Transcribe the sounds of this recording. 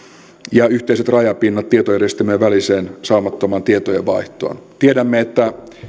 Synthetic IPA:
jɑyht̪eiset̪rɑjɑpinːɑt̪tːiet̪ojærjest̪emøːʋæliseːnsɑumɑt̪ːomɑnt̪iet̪ojeʋʋɑiht̪o̰ːnt̪iedæmːeet̪ːæ

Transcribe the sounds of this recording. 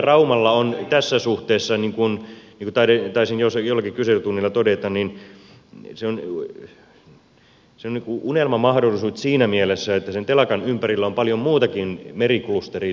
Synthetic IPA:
rɑumɑlːɑont̪æsːæsuht̪eːsːɑniŋkunniŋkut̪ɑet̪ɑisinjosjolːɑkikyselyt̪unːilːɑt̪odet̪ɑnnin | seon | seoniŋkuunelmɑmɑhdolːˑisuːt̪siːnæmielesːæet̪ːæsent̪elɑkɑnympærilːæompɑljommuːt̪ɑkinmeriklust̪eri

